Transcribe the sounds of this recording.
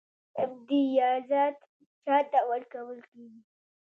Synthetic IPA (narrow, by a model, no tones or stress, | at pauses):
ɪb̚d̪ijɑzɑt̪ | t͡ʃɑt̪awalkawəlkeɡi